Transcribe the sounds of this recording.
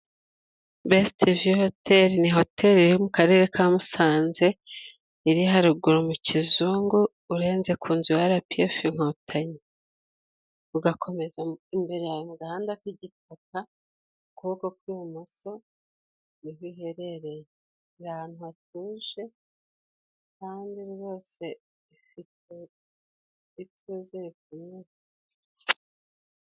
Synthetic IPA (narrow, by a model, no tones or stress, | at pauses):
bestiviho̞te̞ɾiniɦo̞tʰe̞ɾiɾimukaɾe̞ːɾe̞kʰaːmusaːnze̞ | iɾihaɾuɡuɾomucizuːŋɡuː | ɾe̞ːnze̞kʰuːnziwaɾapiefiŋ̥otʰaɲe | uɡakʰo̞me̞zaimbe̞ɾe̞jajmuɡahaːndakiɟit̚aka | kuko̞kwiomuso̞ | niɦiɦe̞ɾe̞ɾeje | ɾaan̥huat̚uːʒe̞ | kaːndiuβɡo̞ːse̞ | ifite | ituzeikume